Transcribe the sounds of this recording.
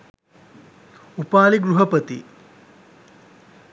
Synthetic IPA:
upaːliɡɾuɦɐpət̪ḭ

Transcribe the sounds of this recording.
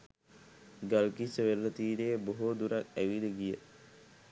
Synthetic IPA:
ɡalkisəʋeɾlət̪iːɾeːboɦud̪uɾak̚æʋiləɡijə

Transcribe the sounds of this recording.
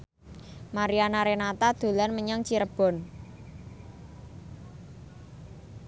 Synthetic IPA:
maɾianaɾenat̪ad̪̥o̤lanməɲaŋt͡ʃiɾəb̥ɔ̤n

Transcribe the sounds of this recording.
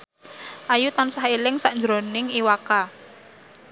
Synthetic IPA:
ʔajut̪ansaɦilɪŋsaʔɲd͡ʒɾonɪŋiwaka

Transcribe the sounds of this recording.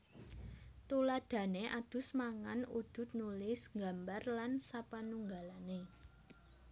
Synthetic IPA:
t̪ulad̥ä̤neʔad̪̥ʊ̤smaŋanud̪̥ʊ̤t̪̚nulɪsŋɡa̤mbarlansapanuŋɡalane

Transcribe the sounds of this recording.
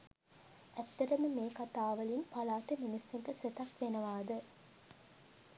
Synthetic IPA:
æt̪ːɐɾɐməmeːkɐt̪aːʋɐlinpalaːt̪eminisiɳʈəset̪ɐkʋenɐʋaːd̪ə

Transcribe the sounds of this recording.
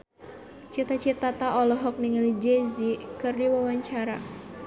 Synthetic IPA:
t͡ʃit̪at͡ʃit̪at̪aʔɔlɔɦɔk̚niŋəlid͡ʒezikɨrdiwawaɲt͡ʃaɾa

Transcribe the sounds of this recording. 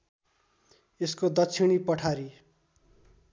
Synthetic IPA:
eskod̪ʌt͡sʰiɽ̃ipʌʈʰaɾi

